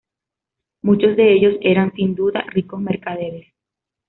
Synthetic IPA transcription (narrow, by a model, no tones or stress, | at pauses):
mut͡ʃo̞zðe̞eʝo̞se̞ɾansind̪uða̰riko̞sme̞ɾkaðe̞ɾes